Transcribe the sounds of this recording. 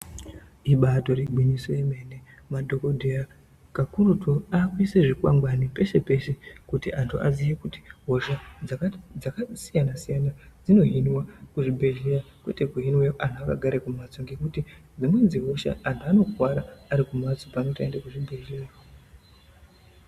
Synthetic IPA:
iɓato̞reɡ͡bwinisojeme̞ːne | madʱo̞kodʱea | kakuɾutoakwiseʐikwa̰ŋɡwanipe̞se̞pe̞ʃe̞kutiʔantʰuʔa̰zijekuti̥ɦo̞ʃaad͡zakasijanasijanad͡zino̞ɦinwakuʐibʱe̞ʒejakwete̞kuɦinwejoʔantʰuaka̰ɡʱaɾekumat͡soŋɡe̞kutid͡zimwend͡zziɦo̞ʃa̰ʔantʰuano̞kwaɾaːɾikumat͡sopanotaendakuʐibʱe̞ʒea

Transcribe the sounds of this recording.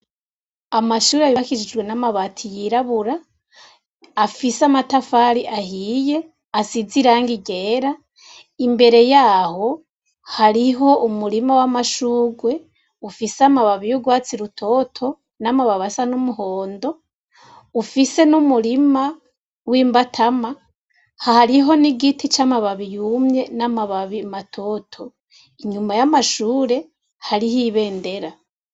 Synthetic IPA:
amaʃuːɾeaβiakid͡ʒid͡ʒɡwe̞namaβatʰijiɾaβuɾa | fiseamatafaːɾiʔaɦije̞ | asiziɾaːŋɡiɡeːɾa | imbe̞ɾe̞jaːho̞ | haɾiɦo̞ʔumuɾimawamaʃuːɡwe̞ | ufiseamaβaβijuɡwaːt͡siɾutʰo̞tʰo̞ | namaβaβasanumuho̞ːndo̞ | ufise̞numuɾima | wiːmbatʰama | hahaɾiɦo̞niɡitit͡ʃamaβaβijumɲe̞namaβaβimatʰo̞ːtʰo̞ | iɲumajamaʃuːɾe̞ | haɾihiːβe̞ːnde̞ɾa

